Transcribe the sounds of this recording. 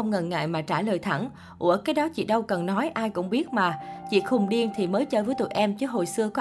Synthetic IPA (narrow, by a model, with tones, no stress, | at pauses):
ə˧wŋ͡mŋə˨˩nŋa̰ː˧˨jmaː˨˩t͡ɕaː˧˩ləː˨˩jt̪ʰa˧˩n | ʔṵ˧˩əkaː˨˦jɗɔ˨˦t͡ɕḭ˧˨ɗə˧wkə˨˩nːɔ˨˦jʔaː˧jkʊ̰˧˥ŋ͡mɓi˦˥ət̚maː˨˩t͡ɕḭ˧˨xʊ˨˩ŋ͡mɗi˧ənt̪ʰi˨˩məː˨˦jt͡ɕəː˧vəː˨˦jt̪ṵ˧˨jʔɛ˧mt͡ɕɨ˦˥ɦo̰˨˩jsɨ˧əkɔ˨˦